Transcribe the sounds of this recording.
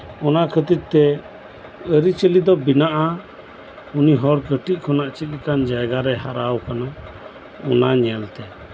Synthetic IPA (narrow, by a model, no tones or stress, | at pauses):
ɔnakʰət̪it̪̚t̪ɛ | əɾit͡ʃəlid̪ɔbinaʔa | uniɦɔɾkəʈiʔ̚ˀkʰɔnaʔt͡ʃit̪̚ˀɛkand͡ʒajɡaɾɛɦaɾawkana | ɔnaɲɛlt̪ɛ